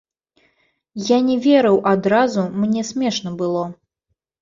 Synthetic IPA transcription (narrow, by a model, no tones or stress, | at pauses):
janʲɛvʲɛɾɨwʔad̪ɾazumnʲɛsʲmʲɛʂnɐbɨlˠɔ